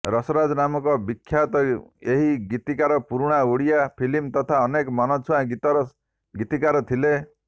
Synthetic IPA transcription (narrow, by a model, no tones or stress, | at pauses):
ɾɔsɔɾad͡ʒɔnamɔkɔbikʰːjat̪ɔeɦiɡit̪ikaɾɔpuɾuɽ̃auɽijapʰilimt̪ɔt̪ʰaɔnekɔmɔnɔt͡ʃʰuãɡit̪ɔɾɔ | ɡit̪ikaɾɔt̪ʰile